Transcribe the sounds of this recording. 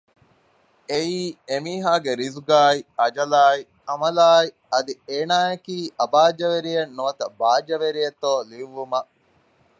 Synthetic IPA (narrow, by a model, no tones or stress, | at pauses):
eiːemiːɦaːɡeɾizuɡaːiɐd͡ʒɐlaːi | ɐmɐlaːi | ɐd̪ieːnaːɐkiːʔɐbaːd͡ʒɐʋeɾijɐnːuʋɐt̪ɐbaːd͡ʒɐʋeɾijɐt̪oːliʋːumɐ